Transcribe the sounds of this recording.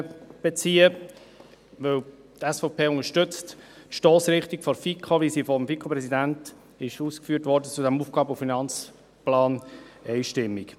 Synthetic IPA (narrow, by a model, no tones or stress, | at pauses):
b̥et͡siːə | vɵw | tɛsfɔʊpʰeːʊŋəʃtʏt͡st | tʃtoːsɾɪχtikfɔɾfikʰoʋisifɔmfikʰopɾɛsidænt | ɪʃuːskfyːtʋɔɾdət͡sudæmuːfɡ̥ɑːbufinɑnt͡s | plɑːnɛɪʃtɪmːik